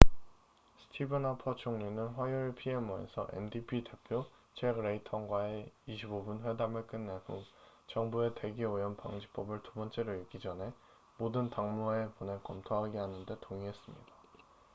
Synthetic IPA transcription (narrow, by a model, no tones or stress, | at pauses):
sʰɯ̥tʰibɯnapʰʌt͡ɕʰoŋɲinɯnɸwajuɭpʰie̞mʌḛsʰʌʔḛndipʰide̞pʰjo | t͡ɕʰeɡɾeitʰʌŋɡwaeiɕʰibobunɸwe̞damɯɭk͈ɯnːekuŋ | t͡ɕʌŋbue̞te̞ɡeojʌnpaŋd͡ʑip͈ʌbɯɭtubʌnt͡ɕ͈e̞ɾoiɭɡid͡ʑʌne̞ | modɯntaŋmoeponekʌmtʰoɦaɡeɦanɯnde̞toŋiɦe̞s͈ɯmɲida